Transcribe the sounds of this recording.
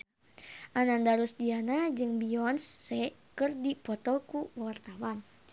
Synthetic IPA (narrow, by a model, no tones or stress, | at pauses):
ʔanandaɾusdianad͡ʒɨŋbiɔnsːɛkərdipɔt̪ɔkuwart̪awan